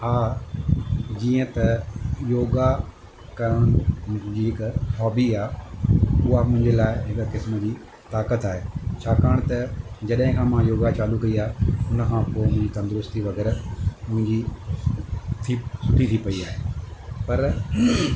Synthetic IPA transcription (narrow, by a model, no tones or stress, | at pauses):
aː | d͡ʑiːə̃t̪ɐjoːɡa | kɐʊñd͡ʑiɦɪkfɔːbiaː | ʊɦamʊ̃ɦɪ̃ɲd͡ʑelaːɪɦɪkkɪsmə̆d͡ʑiː | t̪aːkət̪aːɦeːt͡ɕʰaːkaːəɽ̃t̪ɐd͡ʑɐɗɦɪ̃kʰãːmãjoːɡat͡ɕaːlukɐiaːeʊnəkʰãːpoːɪmʊ̃ɦɪ̃ɲd͡ʑit̪ɐ̃nd̪ʊɾʊst̪iʋɐɡɛːɾmʊ̃ɦɪ̃ɲd͡ʑi | t̪ʰisʊʈʰit̪ʰipɐiaːɦepɐɾ